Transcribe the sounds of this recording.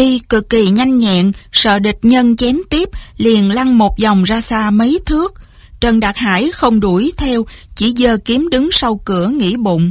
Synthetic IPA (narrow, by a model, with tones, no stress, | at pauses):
i˧kɨ˨˩kːi˨˩ɲa˧jŋ̟ɲɛ̰˧˨ŋsə̰ː˧˨ɗi˨˩k̚ɲə˧nt͡ɕɛ˨˦mt̪i˦˥əp̚li˨˩ənla˧ŋmo˨˩t̚za˨˩wŋ͡mzaː˧saː˧mə˨˦jt̪ʰɨ˦˥ək̚ | t͡ɕə˧nɗa˨˩t̚ha̰ː˧˩jxə˧wŋ͡mɗu˧˩əjt̪ʰɛ˧wt͡ɕḭ˧˩zəː˧˩ki˨˦əmɗɨ˨˦ŋsa˧wkɨ˧˩əŋḭ˧˥ɓʊ̰˧˨ŋ͡m